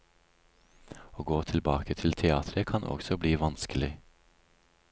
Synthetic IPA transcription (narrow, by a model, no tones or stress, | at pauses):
oːɡoːt̪ʰɪlbɑːkət̪ʰɪlt̪ʰɛɑːt̪ʰɾəkʰɑnʔɔ̰ɡsɔbliːʋɑnskəlɪ